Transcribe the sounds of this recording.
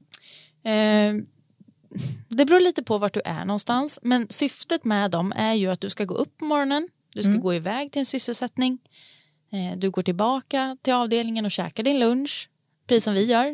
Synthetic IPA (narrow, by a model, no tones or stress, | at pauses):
d̪ɛbɾuːɭiːt̪əpʰɔvaʈ̚ɖɵʔæ̰ɳɔnst̪ansmɛnsʏft̪ət̪mɛd̪ɔmæɾjɵat̪̚d̪ɵskaɡo̰ːʔɵpːɔmɔɾɔnən | d̪ɵskaɡoːɪvɛːɡ̚t̪ʰɪlɛnsʏsːəlsɛt̪nɪŋ | d̪ɵɡoːʈɪlbɑːkat̪ʰɪlɑːvd̪eːlnɪŋənɔɕɛ̰ːkaɖɪnlɵnʂ | pʰɾɛsiːsːɔmvɪjœːɾ